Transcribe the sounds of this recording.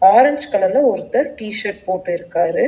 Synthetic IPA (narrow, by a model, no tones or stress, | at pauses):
aːɾɐɲd͡ʒkɐɭɐlɐɔɾɯt̪ːɐɾʈiːʃɐɾʈ̚poːʈːɯɪɾɯkːaːɾɯ